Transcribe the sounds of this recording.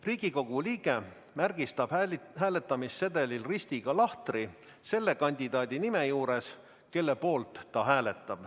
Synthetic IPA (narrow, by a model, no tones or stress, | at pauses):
riːɡ̥iko̞ɡ̥uliːɡ̥e̞ | mærɡ̥ist̪ɑb̥ɦæːle̞t̪ːˑɑmisːe̞d̪e̞lilrist̪iɡ̥ɑlɑht̪ri | se̞lːe̞kɑnʲd̪̥ʲid̪̥ɑːd̪̥ʲinime̞juːɾe̞s | ke̞lːe̞po̞ːlt̪ːɑɦæːle̞t̪ːˑɑb̥